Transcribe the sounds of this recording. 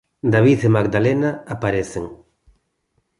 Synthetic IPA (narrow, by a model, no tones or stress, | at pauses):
d̪aβiθemaɡd̪alenaapaɾeθeŋ